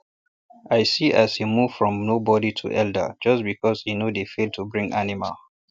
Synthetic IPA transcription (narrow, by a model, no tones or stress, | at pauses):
ʔaɪsiʔazhimuv̥fɹɔ̃mnobɔditʰṵʔɛldə̰d͡ʒʌsbikɔshinodefeltʰubɹĩŋʔanima̰l